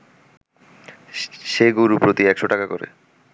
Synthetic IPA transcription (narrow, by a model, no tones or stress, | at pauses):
ʃeɡoɾupɾot̪iɛkʃoʈakakoɾḛ